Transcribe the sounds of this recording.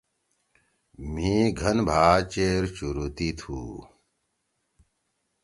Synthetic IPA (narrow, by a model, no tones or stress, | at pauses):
mĩːɡʱɐnbʱaːt͡ɕeːɾt͡ɕuɾut̪it̪ʰuː